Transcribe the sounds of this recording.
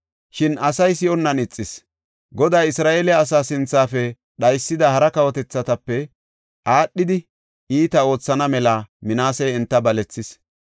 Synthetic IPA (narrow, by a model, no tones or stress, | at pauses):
ʃɪnʔɐsɐjsɪɔnːɐnɪt͡sʼːɪs | ɡɔd̪aːɪsɾaːʔeːlɛɐs̬aːsɪnt͡sːaːfɛ | ɗɐjsːɪd̪ɐhɐɾɐkɐwɔt̪ɛt͡sːɐt̪ɐpːɛ | ʔaːɗːɪd̪ɪ | iːt̪ɐo̞ːt͡sːɐnɐmɛlamɪnaːsɛjɛnt̪ːɐbɐlɛt͡sːɪs